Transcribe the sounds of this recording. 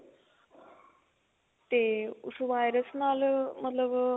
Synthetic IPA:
t̪eṵsuʋajɾəsnalmət̪ləb

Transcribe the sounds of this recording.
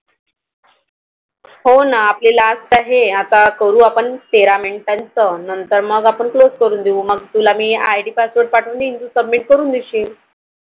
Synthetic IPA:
honaːplelasʈ̪aɦeat̪akəɾũːapəɳpeɾameɳʈãnt͡sənənt̪əɾməɡapəɳkloskəɾuːnd̪eũːməɡ̚t̪ulamiːajʈiːpasʋəɾʈ̚paʈʰuːnd̪ind̪usəbmiʈ̚kəɾuːnd̪iɕiːl

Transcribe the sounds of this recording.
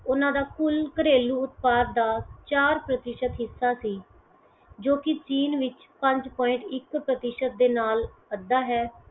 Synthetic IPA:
ʊnãːd̪aːkʊlkəɾeːluːʊt̪paːd̪̚d̪aːt͡ʃaːɾpɾət̪ɪʃət̪ɦɪsːaːsiː | d͡ʒoːkɪt͡ʃiːnʋɪt͡ʃ | pə̃ɲd͡ʒpɔːɪ̃ɳʈɪkpɾət̪ɪʃət̪̚d̪eːnaːləd̪aːɦɛː

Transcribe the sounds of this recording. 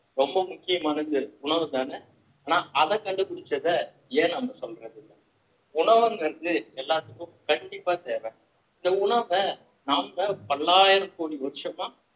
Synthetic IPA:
ɾɔmbɐmʊkːɪjɐmaːnɐɪnðʊɳɐʋɯt̪aːnɛ | aːnaːʔɐðɐkɐɳɖɯpʊɽɪt͡ʃːɐðɐ | eːnɐmɐsɔlɾẽːðɯlːɐ | ʊɳɐʋɐŋɡɐɾd̪ɯɛlːaːt̪ːɯkːʊ̃kɐɳɖɪpːaːt̪eːʋẽː | ɪnd̪ɐʊɳɐʋɐ | naːmːɐpɐlːaːjɐɾɐmkoːɽiʋɐðɪʃɐmaː

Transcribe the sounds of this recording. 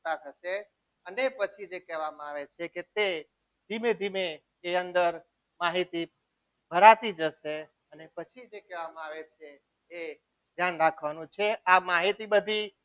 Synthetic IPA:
t̪at̪ʰəʃe | ənepət͡ʃʰid͡ʒekɛɦʋamãaʋet͡ʃʰeket̪e | d̪ʱimed̪ʱime | eənd̪əɾ | maɦit̪i | bʱəɾat̪id͡ʒəʃe | ənepət͡ʃʰid͡ʒekɛʋamãaʋet͡ʃʰeː | d̪ʱjanɾakʰʋanũt͡ʃʰeamaɦit̪ibəd̪ʱi

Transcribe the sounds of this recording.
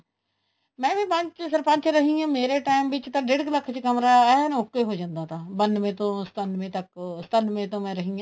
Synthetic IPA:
mɛ̃ːbĩːpə̃ɲt͡ʃsəɾpə̃ɲt͡ʃɾəɦĩãːmeːɾeːʈaːɪmʋɪt͡ʃt̪ãɖeɽkləkʰt͡ʃkəmɾaːɛɦnokːeːɦoːd͡ʒãːnd̪aːt̪ʰaːbənmẽːt̪õːst̪ənmẽːt̪əkst̪ənmẽːt̪õːmɛ̃ːɾəɦĩːãː

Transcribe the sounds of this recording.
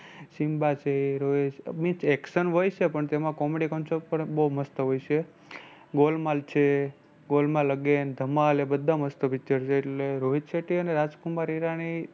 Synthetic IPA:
ʃimbat͡ʃʰeɾoɦit͡ʃmĩt͡ʃɛkʃənɦojt͡ʃʰepəɳt̪emãkɔmeɽikəmt͡ʃʰopəɳbouməst̪əɦojt͡ʃʰe | ɡolmalt͡ʃʰe | ɡolmãləɡend̪ʱəmalebəd̪ʱːãməst̪əpit͡ʃəɾt͡ʃʰeːʈleɾoɦit̪ʃeʈiəneɾad͡ʒkumaɾiɾaɽ̃i

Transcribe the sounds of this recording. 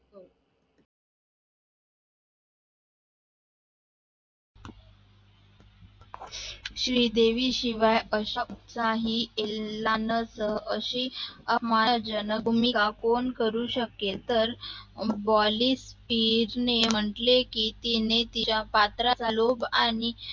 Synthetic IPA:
ɕɾiːd̪eʋiːɕiʋajəɕaut̪saɦielːanəsəɦəɕiəmaad͡ʑənəumikakoɳkəɾuːɕəket̪əɾbɔlispiɾnem̤əʈlekiːt̪inet̪it͡ɕapat̪ɾat͡salobaɽ̃i

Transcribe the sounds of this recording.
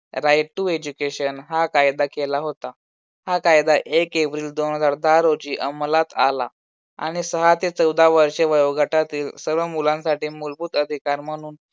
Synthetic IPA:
ɾajʈːuːed͡ʑukeɕənɦakajd̪akelaɦot̪a | hakajd̪aʔekeʋɾiːld̪onɦəd͡zaɾd̪aɾod͡ʑiːʔəmlat̪a̰la̰ | a̰ɽ̃isəɦat̪et͡səwd̪ʱaʋəɾʂeʋəjoɡaʈat̪iːlsəɾʋəmulãnsaʈiːmulbuːt̪əd̪ʱikaɾm̤əɽ̃uːn

